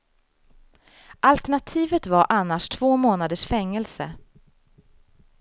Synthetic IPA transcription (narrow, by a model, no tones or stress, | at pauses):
ʔalt̪ɛɳat̪ʰiːvət̪vaɾʔanːaʂt̪ʰv̥oːmoːnad̪əʂfɛŋːɛlsə̰